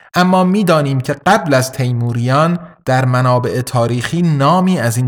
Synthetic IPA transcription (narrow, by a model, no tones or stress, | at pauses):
ʔæmːɒːmiːd̪ɒːniːmcʰe̞ɢæblæzt̪ʰejmuːɾijɒːnd̪̥æɾmænɒːbe̞ʔet̪ʰɒːɾiːxiːnɒːmiːæziːn